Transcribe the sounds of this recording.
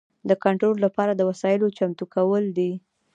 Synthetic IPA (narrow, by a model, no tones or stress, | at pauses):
d̪əkaɳʈɾollapɑɾad̪əwasɑjɪlot͡ʃamt̪ukawəld̪i